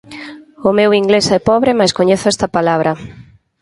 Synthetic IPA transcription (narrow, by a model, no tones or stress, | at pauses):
ʊmewiŋɡlesɛpɔβɾemaskoɲeθʊɛst̪ɐpalaβ̞ɾɐ